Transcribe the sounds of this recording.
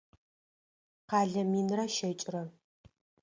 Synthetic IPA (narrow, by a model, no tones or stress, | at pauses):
qɑːɮɐmiːnrɐʃɐt͡ʃʼrɐ